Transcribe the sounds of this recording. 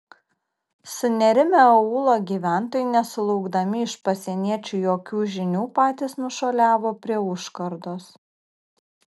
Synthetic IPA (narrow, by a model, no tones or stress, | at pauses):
sʊnʲɛɾʲɪmʲɛuːlˠoːɡʲiːʋʲæˑnt̪oːjɪnʲɛsʊlˠɔʊɡd̪ɐmʲɪɪʃpɐsʲɛnʲiɛt͡ʃʲuːjoːkʲuːʒʲɪnʲuːpɑːt̪ʲiːsnʊʃoːlʲæːʋoːpʲɾʲiɛʊʃkɐɾd̪oːs